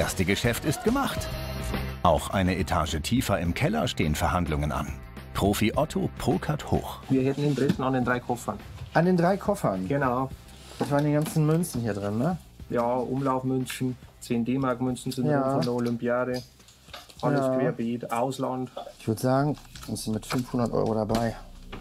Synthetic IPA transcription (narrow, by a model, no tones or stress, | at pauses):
ʔeːɐstəɡəʃɛftɪst̚ɡ̥əmaχt | ʔaʊxʔa̰ɪnəʔetʰa̰ːʒətʰiːfɐɪmkʰɛlɐʃteːənfɛɐhandlʊŋəna̰n | pʁ̥oːfiʔɔtʰopʁ̥oːkʰatho̰ːxviːɐhɛtn̩ɪntʁɛsn̩andendʁaɪkʰɔfɐnʔandeːndʁaɪkʰɔfɐnɡ̥ənaʊ | d̥asv̥aːʁəndeːnɡant͡sn̩mʏnçn̩hiːɐdʁɪnːə | jaːʔʊmlaʊfmʏnçn̩t͡seːndeːmaɐkmʏnçn̩zɪnjaɪːnfɔndɛɐolʏmpijaːɾə | ʔajaəseaɐbeːtʔaʊslantɪçv̥ʏɐəzaːɡŋ̩ʊnz̥ɪnmɪtfʏnfhʊndɐtʔɔ̰ʏʁoɾabaɪ